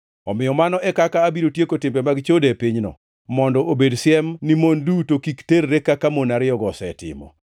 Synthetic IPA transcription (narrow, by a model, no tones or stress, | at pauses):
ɔmɪjɔmanɔʔɛkakaːbiɾotjekotɪmbɛmaɡt͡ʃodepiɲnɔ̰ | mɔndɔʔobedsɪɛmnimondutokikteɾːekakamonaɾɪjɔɡɔsɛtɪ̰mɔ̰